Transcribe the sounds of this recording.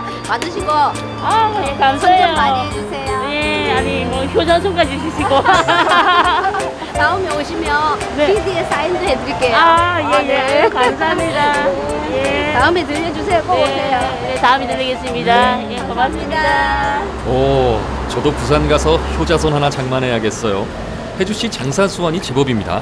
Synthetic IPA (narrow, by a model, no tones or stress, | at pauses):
madɯɕʰiɡo | ajekamsajoaed͡ʑusʰejojeaɲimwʌçjod͡ʑasʰoŋk͈ad͡ʑiɕ̬ʰiɕʰiɡo | t̪aɯmeoɕʰimjʌnne̞idiesʰaindɯɭɦedɯɭk͈eajejekamsamɲidajetaɯmetɯʎjʌd͡ʑus̬ʰejoɡoeeo | netaɯmetɯʎːiɡes͈ɯmɲidajekoasiiɲida | ʌ | t͡ɕʌdokusʰanɡasʰʌçjod͡ʑasʰʌnɦanat͡ɕaŋmanɦe̞jaɡe̞s͈ʌjo | he̞d͡ʑuɕʰit͡ɕaŋsʰansʰuwʌɲit͡ɕebʌbimɲida̰